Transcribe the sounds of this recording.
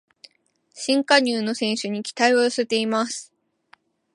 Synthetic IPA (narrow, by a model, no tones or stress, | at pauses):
ɕĩŋkaɲ̟ɨːno̞sẽ̞ɰ̃ɕɨɲ̟ikʲi̥t̪aioɯsɨt̪e̞imasɨ̥